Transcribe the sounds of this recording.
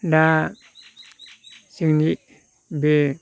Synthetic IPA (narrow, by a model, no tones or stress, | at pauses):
da | siŋniʔ | be